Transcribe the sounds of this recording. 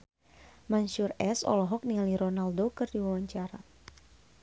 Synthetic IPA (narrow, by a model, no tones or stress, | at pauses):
manʃurɛsɔ̰lɔɦɔk̚nialiɾɔnaldokɨrdiwawaɲt͡ʃaɾa